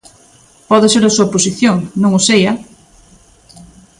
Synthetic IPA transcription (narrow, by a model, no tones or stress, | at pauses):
pɔðɪseɾasuaposiθjoŋnõŋosejɐ